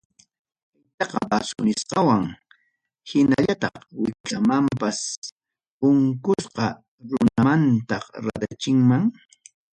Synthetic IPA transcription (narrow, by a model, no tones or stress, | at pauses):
ɪt̪ɑqɑbasʊ̰nɪsqɑwaŋ | hɪna̰ʎat̪ɑ̰χwɪkamampas | ʊŋkʊsqɑ | ɾʊnamant̪ɑɾa̰d̪at͡ʃɪŋmaŋ